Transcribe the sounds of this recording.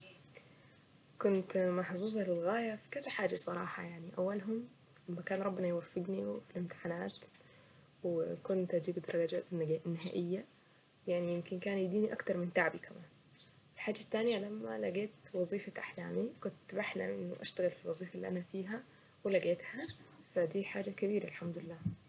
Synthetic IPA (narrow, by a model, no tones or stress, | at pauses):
kʊnt̪mɑħzuːz̬ˤɑlɪlɣaːjafi̥kazaħaːd͡ʒasˤɑɾˤɑːħɑjaʕniʔawːalɦʊm | lamːakaːnɾˤɑbːɪnɑjwafːɪɡniwfilɪmt̪ɪ̥ħanaːt̪ | wɪkʊnt̪ʔad͡ʒiːbd̪ɑɾˤɑɡɑd͡ʒa̰ːt̪ːnːɪɦaːʔɪjːa | jaʕnijɪmkɪnkaːnjɪd̪iːniʔakt̪ɑɾˤmɪnt̪aʕbikamaːn | ɪlħaːd͡ʒːat̪ːaːnjalamːa̰la̰ɡeːt̪wɑzˤiːfakʔaħlaːmikʊnt̪ːbaħna̰ʔɪnːʊʔa̰ʃt̪aɣɪlfilwɑzˤiːfalːḭʔanafiːɦa | wɪlaɡeːt̪hafad̪iːħaːd͡ʒakabiːɾalħamd̪ʊlɪlːaː